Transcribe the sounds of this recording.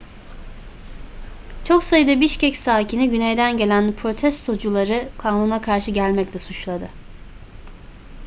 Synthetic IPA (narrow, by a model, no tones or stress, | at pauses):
t͡ʃʰo̞ksajɯd̪abiʃcɛcsaːcʰiniɟynejd̪ænɟe̞lʲænpʰɾo̞t̪ʰɛst̪ʰo̞d͡ʒulˠaɾɯkʰaːnunakʰaɾʃɯɟælʲmɛclʲɛsut͡ʃlˠad̪ɯ